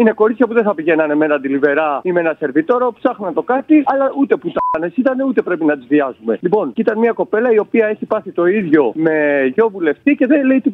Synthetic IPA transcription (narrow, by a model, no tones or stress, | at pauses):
ine̞ko̞ɾit͡ssçɐpuðeθɐpiʝe̞nɐne̞me̞nɐnd̪ilive̞ɾɐimeenɐse̞ɾvit̪o̞ɾo̞psɐxnɐt̪o̞kɐt̪iɐlɐʔut̪e̞put̪ɐne̞sit̪ɐneut̪e̞pɾe̞pinɐt̪izviɐzume̞lipo̞ncit̪ɐnmiɐko̞pe̞lɐio̞piɐe̞çipɐθit̪o̞iðʝo̞mme̞ʝo̞vule̞ft̪ice̞ðeleit̪i